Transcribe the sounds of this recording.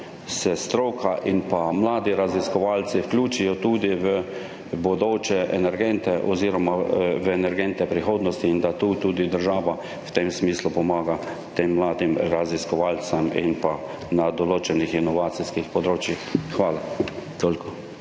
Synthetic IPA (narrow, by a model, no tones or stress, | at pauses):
sɛst̪ɾoːkʰaʔinpamlaːd̪iɾaziskɔʋalsiwklʲuːt͡ʃijɔt̪uːd̪iʋə | bɔd̪oːt͡ʃɛʔɛnɛɾɡɛnt̪ɛʔɔziːɾɔmaʋəɛnɛɾɡɛnt̪ɛpɾixoːd̪nɔst̪iːnd̪at̪uːt̪uːd̪id̪əɾʒaːʋa | wt̪emsmiːslupɔmaːɡa | t̪eːmːlaːd̪imɾaziskɔʋalsamḭnpa | nad̪ɔloːt͡ʃɛnixinɔʋaːt̪siskixpɔd̪ɾoːt͡ʃjixxʋaːlat̪oːlkʰɔ